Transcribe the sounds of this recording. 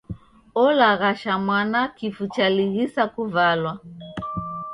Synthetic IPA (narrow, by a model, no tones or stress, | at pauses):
ɔlaɣaʃamwanakifut͡ʃaliɣisakuvalwa